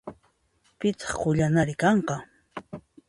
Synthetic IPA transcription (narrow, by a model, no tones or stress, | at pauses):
pɪt͡sɑ̥χqʊʎanaɾɪkɑɴqɑ